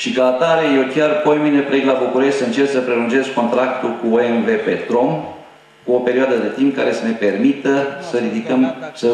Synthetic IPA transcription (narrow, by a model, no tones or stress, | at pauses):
ʃikaat̪aɾeje̞wkʲarpo̞jmine̞pɾeɡlabukuɾe̞ʃtʲsɨnt͡ʃet̪səpɾe̞lunt͡ʃe̞sko̞nt̪ɾak̚t̪ulkuoenve̞pet̪ɾo̞m | kuo̞pe̞ɾiad̪əd̪e̞t̪imp̚ka̰ɾe̞səne̞pe̞rmit̪əsəɾid̪ikəmsə